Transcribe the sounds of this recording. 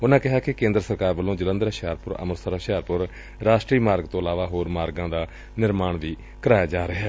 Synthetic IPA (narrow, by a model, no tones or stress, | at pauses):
ʊnãːkɪɦaːkɪkẽːnd̪ɾəsəɾkaːɾʋəlːõːd͡ʒələ̃nd̪əɾəʃaːɾpʊɾə̰məɾsəɾəʃaːɾpʊɾ | ɾaːʃʈɾiːmaːɾɡt̪õːəlaːʋaːɦoːɾmaːɾɡãːd̪aː | nɪɾmaːɳʋiː | kəɾaːjaːd͡ʒaːɾəɦɛː